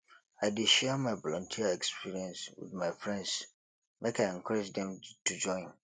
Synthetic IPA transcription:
aɪdɪʃɛmãɪbɔlɔ̃ntʰiaɛkspʰiɹiɛ̃nswɪ̰dmaɪfɹɛ̃nds | mʔekʰaɪɛ̃ŋkʰɔɹɛd͡ʒdɛ̃mtʰud͡ʒɔ̃ɪ̃n

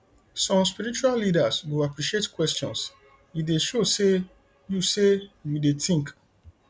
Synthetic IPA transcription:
sɔ̃mspiɾit͡ʃuallidasɡuapɾiʃietkwɛstɔ̰̃ns | jideʃose | jusejudetĩŋk

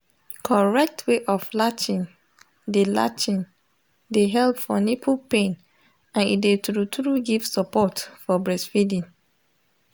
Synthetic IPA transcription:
kʰɔɹɛk̚tʰweʔɔflat͡ʃĩn | dela̰t͡ʃĩn | deɦɛlpfɔnipʰupẽn | ãnḭdetɾutɾuɡiv̥sɔpɔtfɔbɹɛsfidĩn

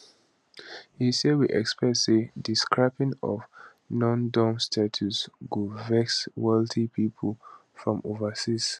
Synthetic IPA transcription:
hisewiʔɛkspɹɛtsidiskɹaɪpĩŋɔ̰v | nɔ̃ndɔ̃mstʰatʰusɡuvɛkswɛltʰipʰipʰəl | fɹɔ̃movəsis

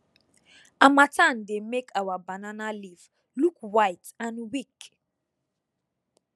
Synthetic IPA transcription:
amatãnd̪emekʰawabananaliv | lukwajtãnwik

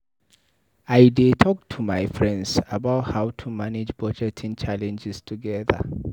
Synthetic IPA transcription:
ajdetʰɔk̚tʰumajfɹɛ̃ndsabaʊthawtʰumanɪd͡ʒbɔd͡ʒɛtʰĩŋt͡ʃʰalɛ̃nd͡ʒɛstʰuɡɛðə̰

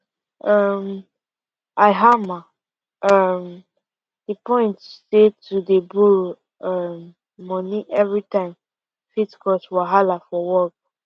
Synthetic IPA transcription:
ʌm | aɪɦama | am | dəpɔ̃ɪ̃ntsetʰudebuɹ | amː | ɔniʔɛvɹitãɪ̃m | fitkʰɔswaɦalafɔwɔk̚

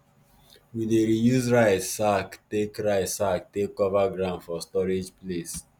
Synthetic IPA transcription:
wideɹijuzɹaɪtsaktekɹaɪsak̚tekːɔvaɡɹãʊ̃ndfɔstɔɹed͡ʒples

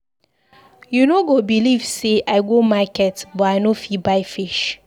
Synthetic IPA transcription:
junoɡobilivseʔaɪɡomakɛtbɔaɪnofibaɪfiʃ

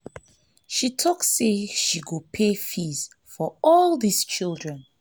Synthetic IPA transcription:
ʃitʰɔksːeʃiɡopʰefiz | fɔɔlˠðist͡ʃilˠdɹɛ̃n

